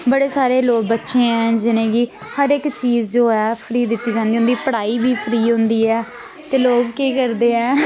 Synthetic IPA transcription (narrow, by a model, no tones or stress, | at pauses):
bəɽeːsaːɾeːloːɡ̚bətːʃẽːɛ̃ːd͡ʒɪnẽːɡiː | həɾekt͡ʃiːzd͡ʒoːɛːpʰɾiːd̪ɪt̪ːiːd͡ʒãːnd̪iɦʊ̃nd̪iːpəɽaːiːbiːpʰɾiːɦʊ̃nd̪iːɛː | t̪eːloːɡkiːkəɾd̪eːɛː